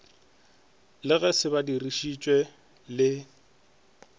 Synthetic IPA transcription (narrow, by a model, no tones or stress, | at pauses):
lɪɣɛsɪbadiriʃit͡ʃʼwɛ | lɪ